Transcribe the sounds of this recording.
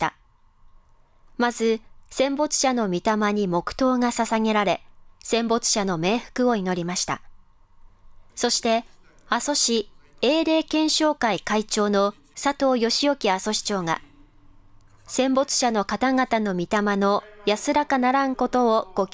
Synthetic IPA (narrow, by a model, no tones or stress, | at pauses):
t̪a̰ | mazɨsẽ̞mbo̞t͡sɨ̥ɕano̞mʲit̪amaɲ̟imo̞kɯ̟̥t̪o̞ːŋasasaŋe̞ɾaɾe̞sẽ̞mbo̞t͡sɨ̥ɕano̞me̞ːɸɯ̥kɯ̟o̞ino̞ɾʲimaɕi̥t̪a̰ | so̞ɕi̥t̪e̞ | aso̞ɕi | e̞ːɾe̞ːkẽ̞ɰ̃ɕo̞ːkaikait͡ɕo̞ːno̞ | sat̪o̞ːjo̞ɕijo̞kʲiaso̞ɕi̥t͡ɕo̞ːŋa̰ | sẽ̞mbo̞t͡sɨ̥ɕano̞kat̪aŋat̪ano̞mʲit̪amano̞jasɨɾakanaɾãŋko̞t̪o̞ːɡ̥o̞k